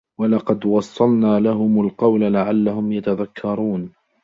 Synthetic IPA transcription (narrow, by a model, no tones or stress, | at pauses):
wɑlɑqɑd̪wɑsˤːɑlnaːlaɦʊmalqɑwlalaʕalːahʊmjat̪aðakʰːɑɾˤuːn